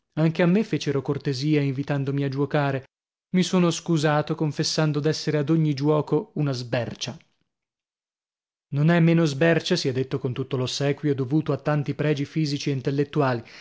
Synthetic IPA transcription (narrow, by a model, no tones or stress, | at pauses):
aŋk̟eamːefeːt͡ʃeɾokort̪eziːaiɱvit̪and̪omiad͡ʒuwokaːɾe | misoːnoskuzaːt̪okoɱfesːand̪od̪ɛsːeɾead̪oɲːid͡ʒwɔːkounazbɛrt͡ʃa | nonɛmːeːnozbɛrt͡ʃasiɛd̪ːet̪ːokont̪ut̪ːolosɛːkwjod̪ovuːt̪oat̪ːant̪ipɾɛːd͡ʒifiːzit͡ʃieint̪elːet̪ːuaːli